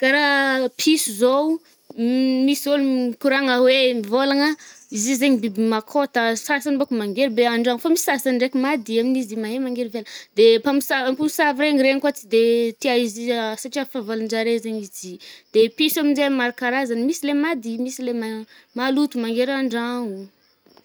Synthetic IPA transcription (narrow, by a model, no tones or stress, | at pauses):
kaɾapʰisuzow | miszolukuɾaŋəwemivolaŋəizizeɲibibimakʰot̪əsasanibokumaŋɡeɾibeaɳɖ͡ʐaŋfamisi̥sasanɖ͡ʐekumad̪iaminizimaɦemaŋɡeɾiveld̪epamisapamisaviɾeŋiɾeɲikwat͡sid̪et̪iaiziasaʈ͡ʂiafavaland͡ʒaɾezeɲizid̪̥episaminzemaɾakaɾazanmisilemad̪imisilemamalut̪umaŋɡeɾaɳɖ͡ʐaŋu